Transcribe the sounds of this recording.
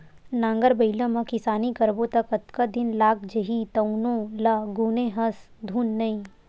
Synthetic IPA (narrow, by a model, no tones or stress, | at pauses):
nãːŋɡəɾbɐɪlə̃mɐ̃kɪsaːnikɐɾbot̪ɐkɐt̪kad̪ɪnlaːk̚ʰd͡ʒɐɦit̪ɐʊnõlaɡuːneɦɐs | d̪ʱuːnːɐĩ